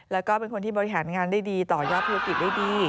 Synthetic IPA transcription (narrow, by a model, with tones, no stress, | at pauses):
lɛː˦˥wkɔː˥˩pe˧nkʰo˧nt̪ʰiː˥bɔː˧ɾi˦˩ɦaː˩˦nŋaː˧ndaː˥˩jdiː˧t̪ɔː˨˩jɔː˥˩t̪̚ʰːu˦˥a˥ki˨˩t̪̚daː˥˩jdiː˧